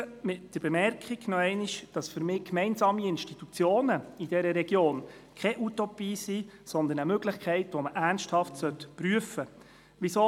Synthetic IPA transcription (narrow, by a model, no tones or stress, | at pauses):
mɪtd̥əɾb̥emɛrkχiɡnɔɛɪniʃd̥ɑsfʏɾmɪːkmɛɪnsɑːmiɪnʃtit̪ut͡sjoːnəid̥ɛɾəɾɛɡjoːnkʰɛʔutopiːsisɔnd̪ənəmøɡlɪχkʰɛɪtʋoməʔærnsthɑftsœtpryəfə | ʋiso